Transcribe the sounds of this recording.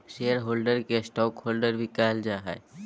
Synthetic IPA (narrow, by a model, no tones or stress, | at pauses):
ʃejəɾɦoːlɖəɾkesʈɔːkhoːlɖəɾbʱikaːld͡ʒaːɦɛ̰